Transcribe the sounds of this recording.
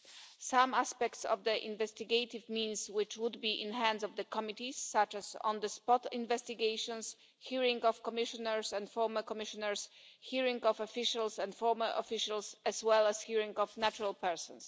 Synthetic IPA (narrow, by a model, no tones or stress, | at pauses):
sãmaspɛkt̪sɔ̰vd̪əʔḭ̃nvɛst̪iɡejt̪ɪvmĩnswɪt͡ʃwud̪biʔɪ̃nhæ̃nzɔvd̪əkɔmit̪isːat͡ʃɛzɔ̰̃nd̪əspɔt̪ĩnvɛst̪iɡejʃɔ̃ns | hiɹĩŋɡɔfkɔmɪʃɔ̃nɛɹsɛ̃ntfɔɹməkɔmɪʃɔ̃nɛɹs | hiɹĩŋɡɔfɔfiʃalsɛ̃ntfɔɹməɹʔɔ̰fiʃalsɛzwɛlɛshiɹĩŋɡɔvnat͡ʃuɹɾalpɛɹsɔ̃ns